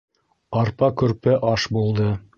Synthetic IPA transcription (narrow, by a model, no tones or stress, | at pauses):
ɑɾpɑkɵ̆ɾpɘʔɑʃbulˠd̪ɤ